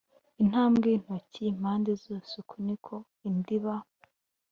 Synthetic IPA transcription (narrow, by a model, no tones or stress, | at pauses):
in̥aːmɡin̥hocim̥aːndezosukʰunikʰo | indiβa